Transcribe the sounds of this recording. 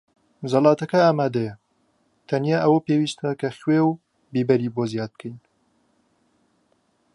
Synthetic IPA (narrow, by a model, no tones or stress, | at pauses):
zɐlɑːt̪ɐkɐaːmaːd̪ɐjɐ | t̪ʰɐnijaːʔɐwɐpeːwiːst̪ɐkʰɐxweːw | biːbɐɾiːboːzjaːd̪̚b̚kʰəjn